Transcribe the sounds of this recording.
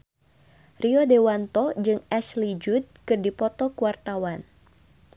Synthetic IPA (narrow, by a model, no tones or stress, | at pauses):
riɔdewant̪ɔd͡ʒɨŋɛslid͡ʒud̪̚kɨrdipɔt̪ɔkuwart̪awan